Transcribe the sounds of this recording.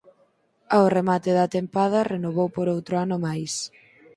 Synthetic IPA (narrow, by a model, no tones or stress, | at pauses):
aoremat̪ɪðɐt̪empað̞ɐrenoβowpoɾowt̪ɾʊanʊmajs